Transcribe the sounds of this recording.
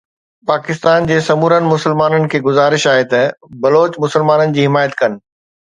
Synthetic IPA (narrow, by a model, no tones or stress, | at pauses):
paːkɪst̪aːnd͡ʑeːsɐmuːɾənɪ̆mʊsəlmaːnənɪ̆kʰeːɡʊzaːɾɪʃaːɦet̪ɐbɐloːt͡ɕmʊsəlmaːnənɪ̆d͡ʑiːɦɪmaːjət̪kɐnɪ̆